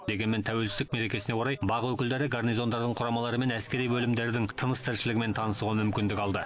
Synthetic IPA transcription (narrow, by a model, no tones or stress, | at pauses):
d̪e̞ɡʲe̞nme̞nt̪ʰæwe̞lsɪzd̪ɪkme̞ɾe̞kʲe̞sɪnewo̞ɾɑjbɑʁəwɵkʲɪld̪e̞ɾɪɡarnijzo̞nd̪ɑɾd̪əɴqʰʊɾɑmɑlˠɑɾəme̞næskʲe̞ɾijbɵlɪmd̪e̞ɾd̪ɪŋt̪ʰənəst̪ʰɪɾʃɪlɪɡʲɪme̞nt̪ʰɑnəsuʁɑmʏmkʲɪnd̪ɪkʲɑlˠd̪ə